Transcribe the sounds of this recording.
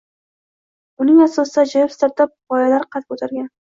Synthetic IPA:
ʊnɪŋasɒsɪd̪ad͡ʒajɪpst̪aɾt̪ʰap̚bɒjalaɾqʰɑt̪̚kʰɵt̪ʰaɾɡʲan

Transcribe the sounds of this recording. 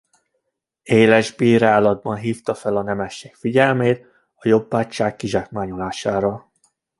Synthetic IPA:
eːlɛʒbiːɾaːlɒd̪̚bɒnɦiːft̪ɒfɛlɒnɛmɛʃːeːkfiɟɛlmeːt̪̚ | ɒjo̞bːaːct͡ʃaːkːiʒak̚maːɲolaːʃaːɾɒ

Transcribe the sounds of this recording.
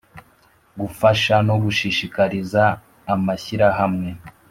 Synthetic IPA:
ɡufaʃano̞ɡuʃiʃikaɾizaː | maçiɾaɦamŋe̞

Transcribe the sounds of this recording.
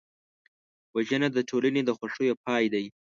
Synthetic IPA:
waʒənad̪əʈʰolaned̪əxwaʂojopɑjd̪aj

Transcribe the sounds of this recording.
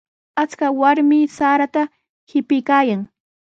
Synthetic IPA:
at͡skawaɾmɪsaːɾat̪a | hɪpɪjkaːjaŋ

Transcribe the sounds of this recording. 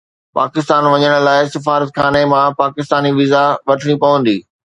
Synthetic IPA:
pa̰ːkɪst̪aːnʋɐɲəɽ̃̆laːɪsɪfaːɾət̪xaːnemãpaːkɪst̪aːniʋizaʋɐʈʰəɽ̃ipɐʋə̃nd̪iː

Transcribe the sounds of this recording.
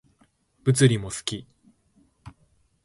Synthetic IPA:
b̥ɯ̟t͡sɨɾʲimo̞sɨ̥kʲi

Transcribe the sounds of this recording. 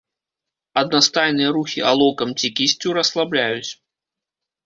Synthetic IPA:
ɐd̪̚nast̪ajnɨjɐɾuxʲialˠɔkɐmt͡sʲikʲisʲt͡sʲuɾɐslˠablʲajut͡sʲ

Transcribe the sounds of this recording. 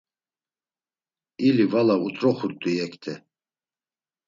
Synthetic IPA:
ilivalaut̪ʼɾɔχuɾt̪ʼuɛkʰt̪ʰɛ

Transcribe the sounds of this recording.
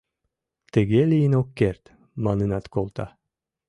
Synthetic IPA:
t̪ĕɡelʲiinokːeɾt̪ | mɑnɯnɑt̪kolˠt̪ɑ̰

